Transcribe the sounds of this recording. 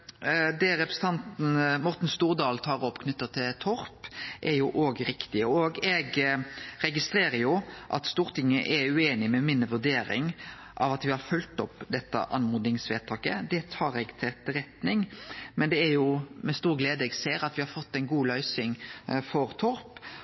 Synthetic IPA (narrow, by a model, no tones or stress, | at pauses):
d̪ɛɾɛpɾɛsət̪ɑnt̪n̩mɔʁt̪n̩st̪uːʁd̪ɑːlt̪ʰɑːʁɔpːkʰnʏt̪ːɑt̪ʰɪlt̪ʰɔɾpʔɛɾjʊʔoːɡɾɪkt̪ɪəoɡɛɡɾɛɡɪst̪ɾeːɾəɾjʊʔɑ̰t̪st̪uːɾt̪ɪŋːəʔɛɾʉeːnɪmɛmɪnʋʉɾd̪eːɾɪ̰ŋ | ʔɑʋɑt̪ʋɪhɑɾfʉlt̪ɔpːd̪ɛt̪ːə̰ʔɑnmuːd̪ɪŋsʋeːt̪ʰɑːkəd̪ɛt̪ʰɑːɾɛɡt̪ʰɪɛt̪ːəɾɛt̪nɪŋmɛnd̪ɛæɾjʊmɛst̪uːɾɡleːd̪əɛɡseːɾɑt̪ʋɪhɑɾfɔt̪ːɛɪnɡuːlœʏsɪŋfɔɾt̪ʰɔɾp